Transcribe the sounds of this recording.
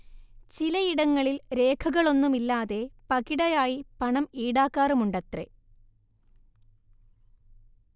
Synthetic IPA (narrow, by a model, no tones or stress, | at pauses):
t͡ɕilɐiɽɐŋːɐɭilɾe̞ːkʰɐɣɐɭo̞nːumilːaːðe̞pɐɣiɽɐjaːjipɐɳɐmiːɽaːkːaːrumuɳɖɐt̪rḛ